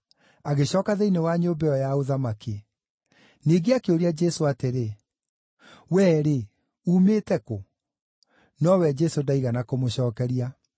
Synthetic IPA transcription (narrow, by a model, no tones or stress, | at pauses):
aɣeɕɔːkaðɛinewaɲoːmbɛɔjaoðamake | neɡeakeoɾiad͡ʒɛsoateɾe | wɛɾe | uːmeːtɛko | nɔwɛd͡ʒɛsodaiɣanakomoɕɔːkɛɾia